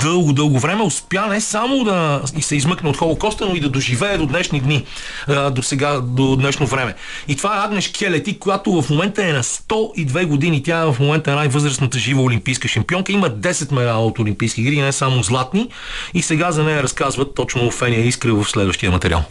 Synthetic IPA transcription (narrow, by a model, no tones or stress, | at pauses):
d̪ɤlˠɡʊd̪ɤlˠɡʊvɾɛmɛʊspjanɛsamod̪ɐisɛizmɤknɛot̪xɔlˠokɔst̪ənoid̪ɐd̪oʒivɛːd̪od̪nɛʃnid̪ni | d̪osɛɡad̪od̪nɛʃnovɾɛmɛ | it̪ovaɛaɡnɛʃkʲʰɛlɛt̪ikojat̪ovɐfmomɛnt̪əɛnɐst̪ɔid̪vɛɡod̪init̪ʲaɛvɐfmomɛnt̪əɛnajvɤzɾəsnət̪əʒivəolimpijskəʃɐmpiɔŋkəiməd̪ɛsɛt̪mɛɾaəot̪olʲimpijsk̟ʲiɡɾiɡinɛsamozlˠat̪ni | isɛɡazɐnɛjəɾɐskazvət̪ːɔt͡ʃnofɛnijəiskɾəvɐfslɛd̪vəʃt̪iəmɐt̪ɛɾḭa̰lˠ